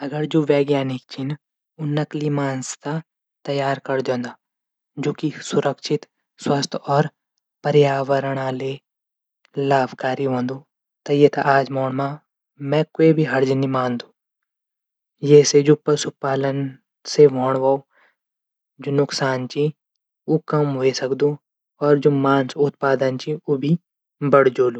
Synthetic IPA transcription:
ɐɡəɾd͡ʒoːʋɛːɡjaːnɪk̚t͡ʃʰɪn | ʊnːɐklimaːnst̪a | t̪ɐjaːɾkɐɾd̪jõːnd̪aː | d͡ʒoːkisʊɾəkʃɪt̪ | swɐst̪ʰɔːɾ | pɐɾjaːʋəɾəɽ̃aːle | laːbkaːɾiɦõːnd̪uː | t̪ɐjet̪aʔaːd͡ʒmoːɳ̃mã | mɛ̃koːibʱiɦɐɾd͡ʒənimãːnd̪uː | jɛːsed͡ʒopːəɾsʊpaːlən | semoːɳ̃ʋaːo | d͡ʒoːnʊksaːnt͡ʃi | ukɐmɦoesɐkd̪ũ | ɔːɾd͡ʒoːmaːnsʊt̪̚paːd̪ənt͡ʃiubʱi | bɐɽ̤d͡ʒoːluː

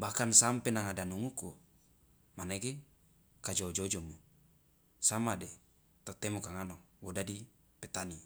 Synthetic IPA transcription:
bakansampenaŋadanuŋuku | maneɡe | kad͡ʒod͡ʒod͡ʒomu | samade | t̪ot̪emukaŋanɔŋwodadi | pet̪ani

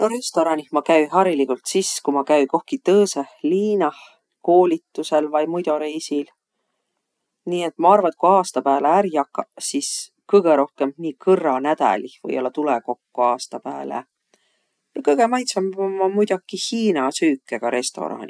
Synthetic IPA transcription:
noɾe̞st̪o̞ɾɑnihmɑkæjɦɑɾilikult̪siskumɑkæjko̞hkit̪ɤːseliːnɑ | ko̞ːlʲit̪ːuse̞lvɑjmujd̪̥o̞ɾejsil | niːe̞t̪ːˑmɑɑrvɑt̪kuɑːst̪ɑpæːleæɾjɑkˑːɑsis | kɤjɡ̥e̞ɾo̞hke̞mniːkʰɤrːɑnæd̪̥æ̰livɤ̰jo̞lːɑt̪uleko̞kːoɑːst̪ɑpæːlḛ | jɑkɤjɡ̥emɑjt̪sɑmmːɑmujd̪̥ɑkihiːnɑsyːkːˑeɡ̥ɑɾe̞st̪o̞̰ɾɑ̰nʲi

